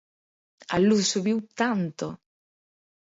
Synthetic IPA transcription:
a̰lːusuβiwt̪ant̪o̰

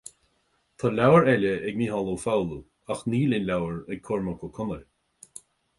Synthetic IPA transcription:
t̪ʰalʲawəɹɛləɛɡniːɦɔlˠowfawlu | axniːlɪnʲlawəɹɛɡ̚kʰʊɹməkʰɔkʰʊnəl

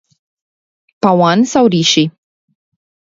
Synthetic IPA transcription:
pawansawɾiʃi

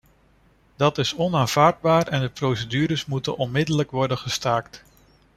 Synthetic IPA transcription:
dɑtɪsɔnaːnv̥aːɹd̚baːɹɛndəprowsədyːɾəsmutə̰nʔɔnmɪdələkʋɔɹdənχəstaːkt

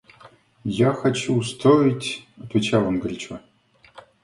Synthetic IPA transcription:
jaxat͡ɕust̪ʰoitʲɐt̪vʲet͡ɕalˠonɡəlʲt͡ɕo

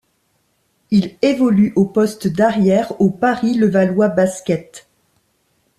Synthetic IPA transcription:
ilevɔlyʔopɔst̪d̪aʁjɛʁopaʁiləvalwabaskʲɛt̪

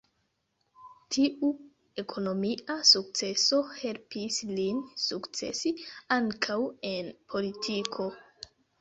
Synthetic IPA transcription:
tʰiʔu | e̞kʰo̞no̞miasuk̚t͡se̞so̞he̞lpislinsukt͡se̞̰siaŋkʰawe̞npʰo̞litʰikʰo̞

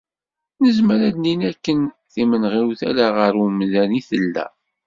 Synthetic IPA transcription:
nəzməɾæd̪ninækːən | θimənʁiɾuθæ̰laʁəɾwəmðæniθəlːæ̰

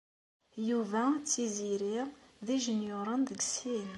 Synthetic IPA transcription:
juvæt͡sːiziɾiʁðiʒənjoɾˤənðəɡsin

